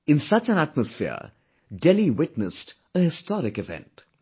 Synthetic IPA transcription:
ɪ̃nsʌt͡ʃə̃næʈ̚məsfḭə̰ɾ | ɖɛliwɪʈnəsʈ | əhɪstɔɾɪkɪvɛ̰̃nt

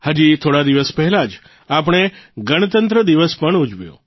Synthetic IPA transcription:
had͡ʒit̪ʰoɽad̪iʋəspɛɦɛlad͡ʒ | apəɳ̃eɡəɽ̃ət̪ənt̪ɾəd̪iʋəspəɳud͡ʒʋjõ̰

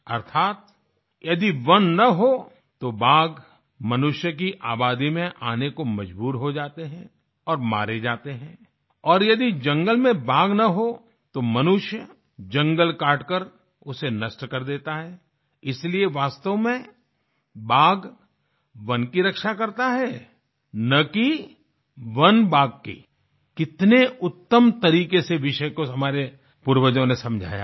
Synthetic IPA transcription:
ɐɾt̪ʰaːt̪ | jɐd̪iʋɐnːɐɦo | t̪obaːɡ | mɐnʊʃjək̬iʔaːbaːd̪imẽʔaːnekomɐd͡ʒbuːɾɦod͡ʒaːt̪eɦɛ̃ | ɔːɾma̰ːɾed͡ʒaːt̪eɦɛ̃ː | ɔːɾjɐd̪id͡ʒɐ̃ŋɡəlmẽbaːɡnɐɦo | t̪omɐnʊʃjə | d͡ʒɐ̃ŋɡəlkaːɾʈkəɾ | ʊsenɐsʈkɐɾd̪eːt̪aɦɛː | ɪslieʋaːst̪əʋmẽ | baːɡ | ʋɐnkiɾɐkʃakɐɾt̪aɦɛ | nɐki | ʋɐnbaːɡ̚kḭ | kɪt̪neʊt̪ːəmt̪ɐɾiːkeseʋɪʃəkoɦɐmaːɾe | puːɾwəd͡ʒõnesɐ̃md͡ʒʱa̰ːja̰

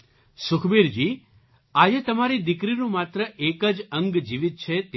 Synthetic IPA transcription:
sʊkʰbiɾd͡ʒi | ad͡ʒet̪əmaɾid̪ɪkɾinũmat̪ɾəʔekəd͡ʒəŋɡd͡ʒiʋit̪̚t͡ʃʰet̪

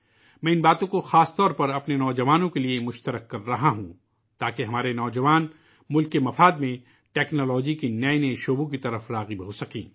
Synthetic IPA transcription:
mɛ̃ːɪnbaːt̪õkoxaːst̪ɔːɾpɐɾɐpnenɔːd͡ʒɐʋaːnõkeliemʊʃt̪əɾəkːɐɾːɐɦaɦũ | t̪aːkeɦɐmaːɾenɔːd͡ʒɐʋaːn | mʊlkːemɐfaːd̪mẽ | ʈɛːknɔːlɔːd͡ʒikinɐeneʃoːbõk̬it̪ɐɾəfɾaːɣibɦoːsɐkḭ̃ː

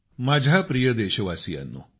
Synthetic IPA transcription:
mad͡ʑʱapɾijəd̪eɕəʋasija̰nːo̰

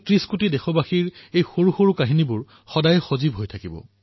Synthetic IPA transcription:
tɹiskutidɛxɔbaxiɹejxoɹuxoɹukaɦinibʊɹ | xɔdajxozibɦojtʰakibɔ̰

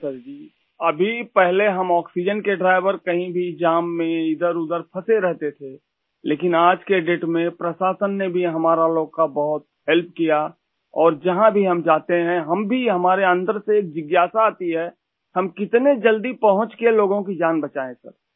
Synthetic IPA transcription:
səɾd͡ʒiː | ɐbʱipɛɦleɦɐmɔːksid͡ʒənkeɖɾaːɪʋəɾkɐɦĩbʱid͡ʒaːmːẽɪd̪əɾʊd̪əɾpʰɐseɾɛɦt̪et̪ʰe | leːkɪnaːd͡ʒkeɖeːʈmẽpɾəsaːsənːebʱiɦɐmaːɾaloːɡkabɐɦʊt̪̚ | ɦɛlp̚ʰkija | ɔːɾd͡ʒɐɦãbʱiɦɐmd͡ʒaːt̪eɦɛ̃ɦɐmbʱiɦɐmaːɾeə̃nd̪əɾseːk̚d͡ʒɪɡjaːsaaːt̪iɦɛ | hɐmkɪt̪ned͡ʒɐld̪ipɐɦʊ̃t͡ʃkeloːɡõkid͡ʒaːnbɐt͡ʃaːẽsɐ̰ɾ

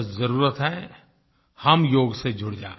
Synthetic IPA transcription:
zɐɾuːɾət̪ɦɛ | hɐmjoːɡsed͡ʒʱʊɽd͡ʒaː

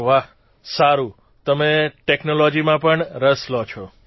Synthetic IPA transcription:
ʋaɦ | saɾũ | t̪əmeʈeknolod͡ʒimãpəɳɾəslot͡ʃʰo

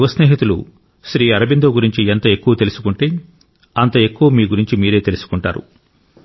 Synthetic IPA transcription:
ʋɐsneːɦit̪ulṵ | ʃɾiːɐɾɐbind̪oːɡuɾiɲt͡ʃient̪ɐe̞kːuʋɐt̪e̞lusu̥kuɳʈeː | ɐnt̪ɐe̞kːuʋɐmiːɡuɾiɲt͡ʃimiːɾe̞ːt̪e̞lusu̥kuɳʈa̰ːɾṵ

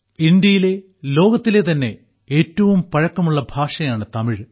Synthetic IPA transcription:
ind̪jɐjile̞ | lo̞ːɡɐt̪ːile̞t̪ɐnːe̞ | eːtːɐʋumpɐɻɐkːɐmuɭːɐbʱaːʂɐjaːɳɨt̪ɐmiɻ

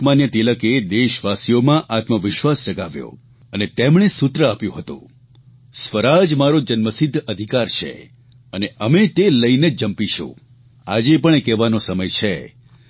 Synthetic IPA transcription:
manjət̪iləked̪eʃʋasijomãʔat̪məʋɪʃʋast͡ʃəɡaʋjo̰ | ənet̪emɳ̃esut̪ɾəapjũɦət̪ṵ̃ | sʋəɾad͡ʒmaɾod͡ʒənməsɪd̪ʱːəd̪ʱikaɾt͡ʃʰḛ | əneʔəmet̪eləined͡ʒəmpiʃṵ̃ | a̰d͡ʒepəɳekɛʋanosəməjt͡ʃʰe

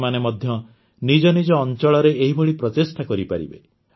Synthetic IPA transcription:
manemɔd̪ʱjɔ | nid͡ʒɔnid͡ʒɔːnt͡ʃɔɭɔɾeeɦibɔɭipɾɔt̪esʈakɔɾipaɾḭbe

